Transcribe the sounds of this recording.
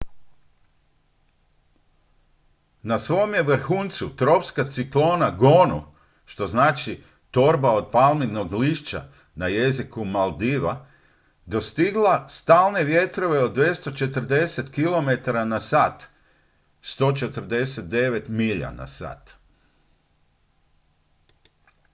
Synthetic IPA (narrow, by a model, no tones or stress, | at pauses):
nasʋo̞omjeʋr̩xunt̪sut̪ɾo̞pskat̪siklo̞naɡonu | ʃt̪o̞znaːt͡ʃi | t̪o̞ɾbao̞d̪̚palˠmid̪noɡliʃt͡ʃa̰ | naje̞zikumalˠd̪iʋa | d̪o̞st̪iɡlˠast̪aːlˠne̞ʋje̞t̪ɾo̞ʋe̞od̪d̪ːʋje̞st̪ot͡ʃe̞t̪ər̩d̪e̞set̪kilo̞me̞t̪aɾanasaːt̪ | st̪o̞ːt͡ʃe̞t̪r̩d̪e̞set̪̚d̪e̞ʋet̪miʎa̰na̰sa̰ːt̪